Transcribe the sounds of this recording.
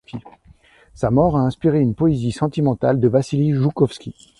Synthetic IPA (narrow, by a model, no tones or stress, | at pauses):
kʲi | samɔʁaɛ̃spiʁeynpɔezisɑ̃t̪imɑ̃t̪ald̪əvasiliʒukɔfskʲi